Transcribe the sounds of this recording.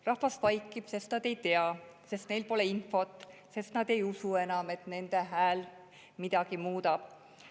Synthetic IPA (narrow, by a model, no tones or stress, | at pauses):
rɑhfɑsvɑjkːˑib̥se̞st̪nɑd̪̥e̞jt̪e̞ɑse̞st̪ne̞jlpo̞le̞info̞t̪ːˑse̞st̪nɑd̪̥e̞jusue̞nɑme̞t̪ˑne̞nd̪̥e̞ɦæːl | mid̪̥ɑɡ̥imuːd̪ɑb̥